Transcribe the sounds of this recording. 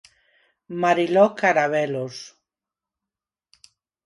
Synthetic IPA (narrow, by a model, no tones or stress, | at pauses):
maɾilokaɾaβelos